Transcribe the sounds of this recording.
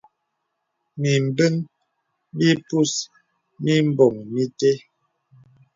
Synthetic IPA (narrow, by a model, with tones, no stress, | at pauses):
mi˨m̩˨bə˦n | mi˦pu˦s | mi˦m̩˦bɔ˨ŋmi˦te˦